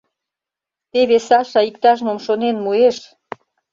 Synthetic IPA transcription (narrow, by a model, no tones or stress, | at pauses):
t̪eβesɑʃɑikt̪ɑʒmomʃonenmueʃ